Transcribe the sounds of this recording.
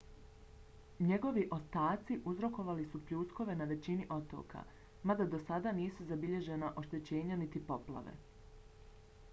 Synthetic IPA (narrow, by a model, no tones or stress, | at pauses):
ɲeɡo̞ʋiʔo̞st̪aːt̪siʔuzɾo̞ko̞ʋalisupʎuːsko̞ʋe̞naʋe̞t͡ɕiniʔo̞t̪o̰ːkʰa̰ | mad̪ad̪o̞sad̪aniːsuzabiʎe̞ʒenaʔo̞ʃt̪e̞t͡ɕe̞ːɲanit̪ipo̞pla̰ʋḛ